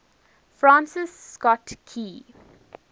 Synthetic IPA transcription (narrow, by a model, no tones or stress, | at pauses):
fɾãːnsɪsːkɔʈkʰiː